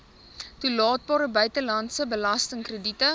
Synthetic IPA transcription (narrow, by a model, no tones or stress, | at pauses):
tulɑːt̚bɑːɾəbœɥtəlɐntsəbəlɐstəŋkrəditə